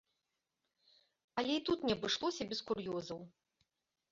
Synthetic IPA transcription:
ɐlʲɛit̪ut̪nʲɛbɨʂlˠɔsʲɐbʲɛskurjɔzɐw

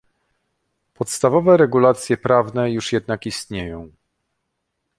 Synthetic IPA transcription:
pɔt̪st̪avɔvɛɾɛɡulat̪sʲjɛpɾavnɛjuʂjɛd̪nakist̪ɲejɔ̃w̃

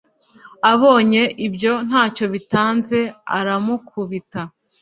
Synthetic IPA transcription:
aβo̞ːɲe̞ʔibjo̞n̥haːco̞βitaːnze̞a̰ɾamukʰuβita

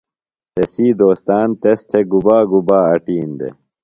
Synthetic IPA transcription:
t̪ʰesiːd̪oːst̪aːnt̪est̪ʰeɡubaːɡubaːɐʈiːnd̪ḛ

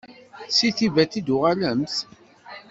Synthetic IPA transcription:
siθivæt̪id̪ʊʁaləmθ

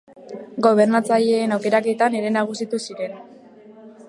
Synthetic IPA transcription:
ɡo̞β̞e̞ɾnat͡saʎeːnawke̞ɾake̞t̪ane̞ɾe̞naɣ̞usit̪usiɾe̞n

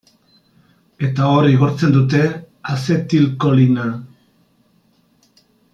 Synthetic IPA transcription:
e̞t̪aoɾiɣo̞ɾt͡se̞nd̪ut̪e̞ | ase̞t̪ilko̞lina

